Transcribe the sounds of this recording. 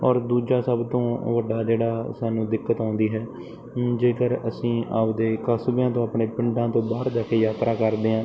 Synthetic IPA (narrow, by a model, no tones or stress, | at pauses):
ɔːɾd̪uːd͡ʒaːsəbt̪õːʋəɖaːd͡ʒeːɽaːsaːnũːd̪ɪkːət̪ãːnd̪iːɦɛː | d͡ʒeːkəɾəsĩːʔa̰ːpd̪eːkəsbjãːt̪õːaːpɳeːpɪ̃ɳɖãːt̪õːbaːɾd̪aːkejaːt̪ɾʔaːkəɾd̪eːɦãː